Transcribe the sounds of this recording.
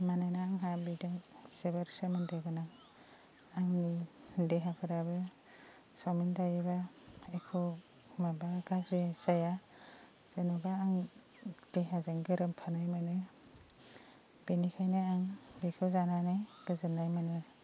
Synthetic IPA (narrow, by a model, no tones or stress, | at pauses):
manajnaːŋɦabidɯŋsebaɾsɯmɯndaɡɯnaŋ | aŋni | deɦapʰɯɾabɯ | samɯndajeba | ekʰɯ | mabaɡazisaja | z̥enɔbaːŋ | d̥eɦazeŋɡɯɾɯmpʰanɯjmɯnɯ | b̥enikʰajnɯaŋbekʰɯzananɯjɡ̥ɯzɯnːajmanɯ